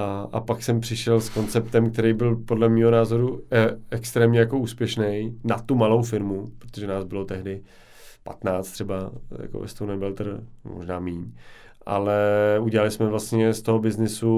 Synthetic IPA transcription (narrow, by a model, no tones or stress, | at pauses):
ʔa̰paksɛmpr̝̥ɪʃɛlsko̞nt͡sɛp̚t̪ɛmkt̪ɛɾejbɪlpodlɛmiːɦonaːzo̞ɾuɛkst̪ɾɛːmɲɛjako̞uːspjɛʃnɛjnat̪umalo̞wfɪɾmupɾot̪oʒɛnaːzbɪlo̞t̪ɛɦdɪ | pat̪naːt͡st̪r̥ɛbaja̰ko̰vɛ̰st̪ownɛbɛlt̪r̩mo̰ʒnaːmiːɲ | ʔa̰lɛuɟɛlalɪsmɛvlast̪ɲɛst̪o̞ɦo̞bɪznɪsu